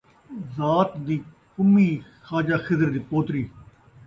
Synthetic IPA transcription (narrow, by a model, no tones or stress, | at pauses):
zaːt̪d̪iː | kʊmːiːxaːd͡ʒaːxɪzəɾd̪iːpoːt̪ɾiː